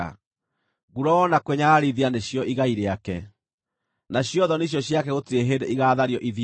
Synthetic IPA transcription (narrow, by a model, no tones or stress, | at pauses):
a̰ | ɣuɾɔnakweɲaɾiðianeɕjɔʔiɣaiɾeakɛ | naɕjɔðɔneɕ̬jɔɕjakɛɣotieɦeɾeʔiɣaːðaɾjɔʔið